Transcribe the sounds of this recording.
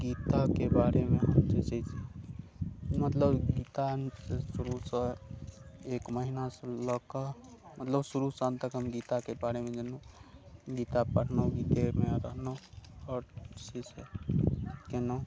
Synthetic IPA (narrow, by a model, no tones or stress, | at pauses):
ɡit̪akebaɾemeɦəmd͡ʒet͡ʃɛt͡ʃʰi | mət̪ləbɡit̪asesuɾusə̃ | ekməɦinasə̃lɔkamət̪ləbsuɾusənt̪əkɦəmɡit̪akebaɾemed͡ʒənu | ɡit̪apəɽ̤noɡit̪emeɾəɦnoɔːɾsise | keno